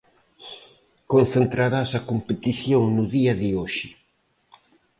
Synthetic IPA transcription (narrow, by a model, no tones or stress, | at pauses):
kon̟θent̪ɾaɾasɐkompet̪iθjoŋnʊðiɐðɪoʃɪ